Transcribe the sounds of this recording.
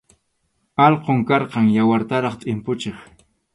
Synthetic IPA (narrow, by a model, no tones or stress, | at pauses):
ɑlqoŋkɑɾqɑŋjawaɾt̪aɾɑχt̪ʼɪmpʊt͡ʃeχ